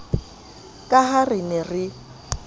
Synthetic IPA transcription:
kʼaɦarɪnɛrɪ

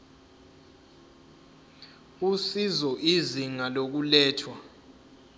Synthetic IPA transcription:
usizɔʔiziŋalok̬ulɛːtʰwa

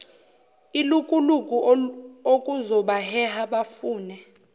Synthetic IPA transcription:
ilukʼulukʼuokʼuzɔɓahɛhaɓafuːnɛ

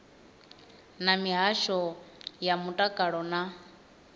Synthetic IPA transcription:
namiɦaʃɔjamutʼakʼaɺɔna

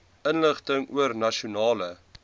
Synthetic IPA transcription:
ənləχtəŋuərnɐʃunɑːlə

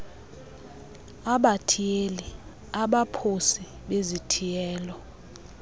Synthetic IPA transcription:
aɓatʰijeli | aɓapʰosi | ɓezitʰijɛːlɔ

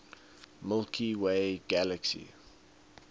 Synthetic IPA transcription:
mɪlkʰiweɪɡæləksḭ

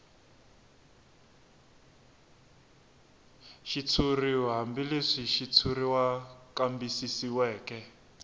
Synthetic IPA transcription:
ʃit͡sʰuriɦambileʂiʃit͡sʰuriwakambisisiwɛːkɛ

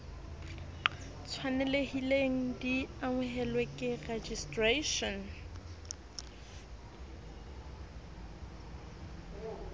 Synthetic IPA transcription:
t͡sʰwanɛlehileŋ̩diaŋɛɦɛlwekʼɪred͡ʒistreʃɔn

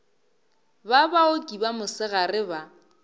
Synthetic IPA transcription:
babaokʼibamʊsɪɣarɪba

